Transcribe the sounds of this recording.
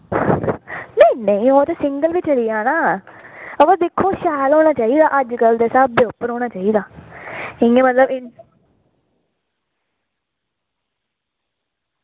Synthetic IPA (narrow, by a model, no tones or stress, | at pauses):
nə̃ĩːnə̃ĩːoːt̪eːsɪ̃ŋɡəlbiːt͡ʃəlijaːnaː | əʋəd̪ɪkʰːoːʃaːlɦoːɽ̃aːt͡ʃaːiːd̪aːʔəd͡ʒkəld̪eːsaːbbeʊpːəɾɦoːɽ̃aːt͡ʃaːiːd̪aː | ɪ̃ŋɡemət̪ləbɪ